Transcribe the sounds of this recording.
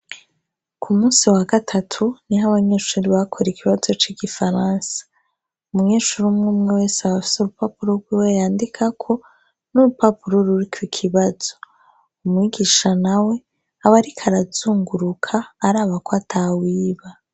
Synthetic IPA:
kʰumuːsiwaɡatʰatʰuniɦaβaɲe̞ːʃuɾiβakʰoɾikʰiβazo̞t͡ʃiɡifaɾaːnsḁ | umɲeːʃuɾumŋuːmŋewe̞ːseaβafi̥seuɾupapuɾoɾɡwiwejaːndikʰakʰo̞ | nuɾupapuɾo̞ɾuɾikwikʰiβazo̞ | umŋiɡiʃanawe̞ | aβaɾikʰaɾazuːŋɡuɾukʰaːɾaːβakoatʰawiːβa

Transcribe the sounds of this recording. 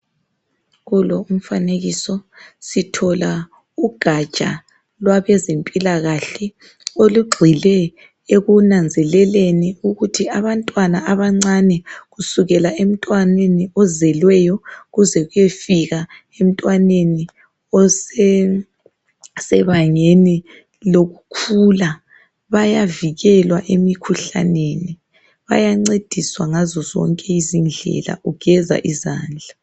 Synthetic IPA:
ɣulɔum̩faneɣisɔsitʰɔla | uɡ̥ʱḁt͡ʃʼa̰ | lwaβɛzempʼilaɣaɬɛ | oluɡ͡ǃʱilɛ | eɣunand͡zʱɛlɛleniuɣutʰiaβantʼwanaaβaŋ͡ǀanɛɣusuɣɛlaem̩tʼwaneniɔzɛlwɛjɔɣuzɛɣujefiɣa | em̩tʼwaneni | ɔsɛ | sɛβaŋeni | loɣukʰula | βajaviɣɛlwaʔemikʰuɬa̰neni | βa̰jaŋ͡ǀed̥ʱiswaŋazɔzɔ̰ŋkʼɛizind͡ɮʱɛ̰la̰ʔuɡ̥ʱɛza̰ʔiza̰ːnd͡ɮʱa

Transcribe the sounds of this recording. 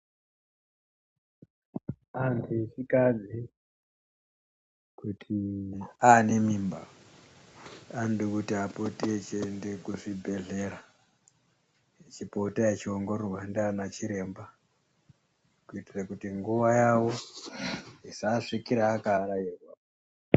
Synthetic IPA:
antʰuit͡ʃikad͡zi | kutʰiane̞mimba̰ | andikutiapotiet͡ʃːnde̞kuʐibʱe̞ɮe̞ɾa | et͡ʃipotaet͡ʃioŋɡo̞rerwaendanat͡ʃiɾe̞ːmba | kuitirakutiŋɡuʋajawo | isaʂikiɾaːkaɾairwa

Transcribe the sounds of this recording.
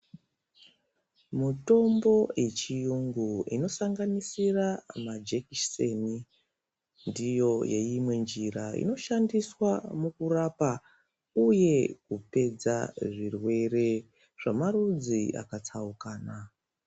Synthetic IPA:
muto̞mbo̞e̞t͡ʃijuŋɡuḭno̞saŋɡanisiramad͡ʒekiseni | ndijo̞je̞̰imwe̞nd͡ʒiɾaḭno̞ʃandiswamukurapa | uje̞kupe̞d͡za̰ʐirwe̞re̞ | ʐ̥amarud͡zia̰kat͡saukaːna

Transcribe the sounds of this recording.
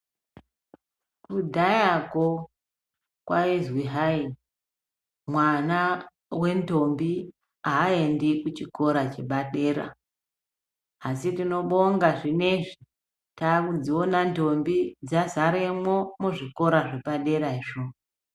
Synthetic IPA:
kudʱajako | kwaizwiɦai | mwana | we̞nto̞mbi | aːendikut͡ʃiko̞ɾat͡ʃeɓaɗe̞ːɾa̰ | sitino̞ɓo̞ŋɡaʐine̞ʐi | taːkud͡zionanto̞mbid͡zazaɾemwo̞muʐiko̞ɾaʐeɓaɗe̞ɾaiʐo

